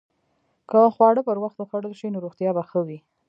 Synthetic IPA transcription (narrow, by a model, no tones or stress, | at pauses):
kəxwɑɽəpəɾwaxt̪oxaɽəlʃinoɾoɣt̪jɑbaxəwi